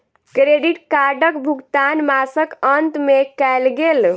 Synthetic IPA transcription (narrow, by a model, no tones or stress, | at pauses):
kɾeɖiʈkaɾɖəkbʱukt̪anmasəkənt̪mekɛjlɡel